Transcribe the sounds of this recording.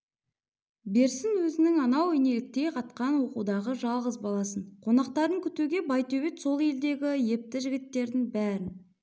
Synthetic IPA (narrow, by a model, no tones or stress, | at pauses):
be̞ɾsɪnwɵzɪnɪŋɑnɑwɪne̞lɪk̚t̪e̞jqʰɑt̪qɑnwo̞quwd̪ɑʁəʒɑlˠʁəzbɑlˠɑsəɴqʰo̞nɑq̚t̪ɑɾəŋkʲʰʏt̪uɡʲe̞bɑjt̪ɵbet̪so̞lˠe̞ld̪e̞ɡʲɪje̞p̚t̪ɪʒɪɡʲɪt̪ːe̞ɾd̪ɪŋbæɾɪn